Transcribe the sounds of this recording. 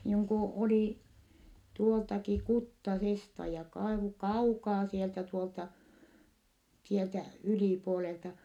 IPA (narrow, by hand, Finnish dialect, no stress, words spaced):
niːŋ ku oliˑ tuoltɑki kutːɑsestɑ jɑ kɑi kɑukɑː sieltæ tuoltɑ sieltæ yliˑpuoleltɑ